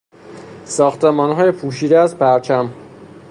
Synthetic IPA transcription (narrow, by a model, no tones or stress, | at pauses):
sɒːxt̪emɒːnɦɒːjepʰuːʃiːd̪eæzpʰæɾt͡ʃʰæm